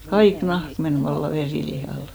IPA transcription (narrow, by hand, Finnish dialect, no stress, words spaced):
kɑik nɑhk men ʋɑlːɑ ʋeriˑlihɑˑl